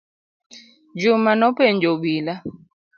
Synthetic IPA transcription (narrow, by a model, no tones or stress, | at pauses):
d͡ʒumanɔpeɲd͡ʒoɓila